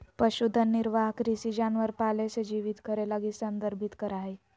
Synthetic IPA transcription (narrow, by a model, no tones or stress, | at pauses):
pəɕud̪ʱːənːiɾʋaɦkɾisid͡ʑanʋəɾpalesed͡ʑiʋit̪kʰəɾelaɡisənd̪əɾbʱit̪kəɾaɦe